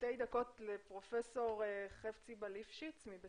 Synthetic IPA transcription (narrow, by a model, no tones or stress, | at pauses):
tejd̪ako̞tlepʁo̞feso̞ʁeχeft͡sibalifʃit͡smibe